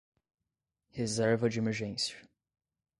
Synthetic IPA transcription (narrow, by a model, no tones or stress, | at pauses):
hezɛɾvɐd͡ʒiemɛɾʒẽsiɐ